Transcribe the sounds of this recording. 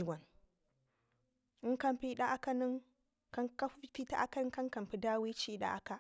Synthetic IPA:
ɡʷa˨n | ɨ˦ka˦mpi˦ɗa˦ʔa˦ka˦nɨ˦ŋ | kka˦fi˦ta˦ʔa˦ka˦nɨ˦ka˦ŋka˨m˨pi˨da˦wi˦t͡ʃi˦i˦ɗa̰˦ʔa˦ka˦

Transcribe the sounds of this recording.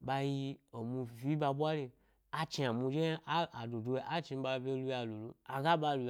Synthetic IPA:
ɓa˧ji˧o˨mu˧vi˦ɓa˧ɓʷa˦le˧ | a˦t͡ʃi˧a˨mu˧d͡ʒe˦a˦a˨du˨du˧e˧˦ʔa˦t͡ʃi˧˦ɓa˧bʲe˧˦lu˧ja˧lu˨lu˨a˨ɡa˦ɓa˧lu˨˧

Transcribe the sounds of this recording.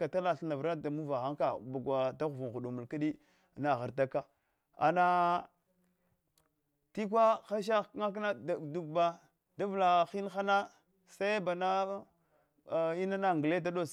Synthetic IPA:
ka˨ta˦la˨ɬna˨vɾa˦da˨mu˦va˨ɣa˦ŋka˨ba˨ɡʷa˨ta˦ɣu˨vu˨xu˨ɗu˨mu˨lka˦ɗi˦˨ | na˨ɣa˨ɾta˦ka˦ | a̰˨na˨ | ti˦k̬ʷa˦xa˦ʃ̬a˦ŋa˦k̬na˦ddu˦ɡ̚ba˦ | da˦vla˨xi˦n˦xa˦na˦ | sa˦i˦ba˨na˦˨ | i˦na˦na˨ŋɡle˦da˦do˦s

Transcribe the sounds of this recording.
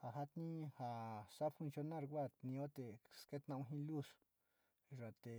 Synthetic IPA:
ha˨ɦa˦t̪nĩ˦ha˨sa˦fu˧nsjo˧nã˦˧ɾkʷa˦˨tnĩ˧o˦t̪e˨ske˦t̪nã˧ũ˧ɦĩ˦lu˦s | ʐa˨t̪e˨

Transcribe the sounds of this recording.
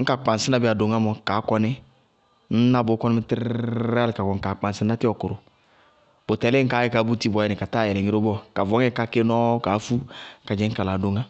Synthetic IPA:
ŋ̩˦ka˨k͡pa˨nsɪ˦na˦bɪ˦a˨do˨ŋa˦mɔ˨ka˨˦kɔ˧nɪ˦ | n̩˦na˦bo˨˦kɔ˦n˦mɪ˦tɾa˦lɪ˨ka˨kɔ˨ŋ̩˨ka˨k͡pa˨sɪ˦na˦tɪ˦ɔ˨kʊ˨ɾʊ˨ | b̥o˨tɛ˨le˦ŋ̩˦ka˨˦ɛ˦ka˨˦bu˦ti˦bɔ˨˦ɛ˦nɪ˨ka˨ta˦˨jɛ˨lɛ˨ŋi˦ɾo˦bɔ˦ka˨vɔ˨˦ŋɛ˦ka˨˦ke˦nɔ˦ka˨˦fu˦ka˨d͡ʒɛ˨˦ŋ̩˦ka˨laː˨do˨ŋa˦

